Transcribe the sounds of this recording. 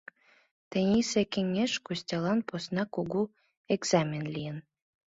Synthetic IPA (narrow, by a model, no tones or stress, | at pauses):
t̪ĕnʲisekʲĕŋʲːeʃkusʲtʲɑlɑnposnɑkoɡu | eɡz̥amʲenlʲijən